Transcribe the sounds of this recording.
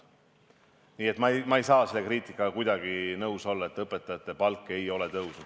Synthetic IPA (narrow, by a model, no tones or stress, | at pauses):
niːe̞t̪mɑmɑejsɑːse̞lːe̞kriːt̪ˑikːˑɑkujd̪̥ɑɡinɤwso̞lːɑe̞t̪ːˑɤpːˑe̞t̪ːˑɑjɑt̪ːˑe̞pɑlkːˑe̞jo̞le̞t̪ɤwsn̥